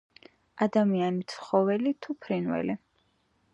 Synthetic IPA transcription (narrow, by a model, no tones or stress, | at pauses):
ad̪amianit̪sʰχɔvɛlit̪ʰupʰɾinwɛ̰li